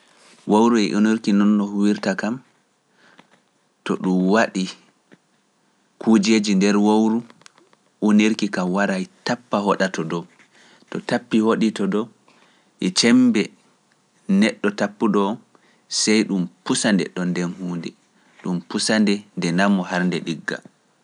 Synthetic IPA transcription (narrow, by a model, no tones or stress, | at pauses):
wowɾuɛ̰ʔuniɾkinɔnːɔhuwiɾtakam | tɔɗumwaɗi | kʰud͡ʒed͡ʒindɛɾwowɾu | uniɾkikamwaɾajtapːaɦɔɗatɔdɔ | tɔtapːihoɗitɔdɔw | ʔɛt͡ʃɛmbɛ | nɛɗːɔtapːuɗɔ | sɛjɗumpusandɛ̰ɗɔndɛnhuːndɛ | ɗumpusandɛndɛnamɔhaɾndɛɗiɡːa̰